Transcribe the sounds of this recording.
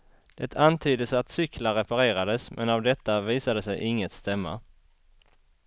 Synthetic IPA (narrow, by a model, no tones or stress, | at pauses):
d̪̥ɛt̪ʰant̪ʰyːd̪əsat̪sʏklaɾɛpaɾeːɾad̪əsmʔɛnavd̪ɛt̪ːaviːsad̪əsɛjʔɪŋːət̪st̪ɛmːa̰